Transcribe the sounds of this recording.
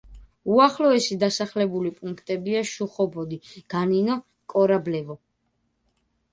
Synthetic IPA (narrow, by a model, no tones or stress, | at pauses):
uaχlɔɛsid̪asaχlɛbulipʼuŋkʰt̪ʼɛbiaʃuχɔbɔd̪iɡ̥aninɔ | kʼɔɾablɛvɔ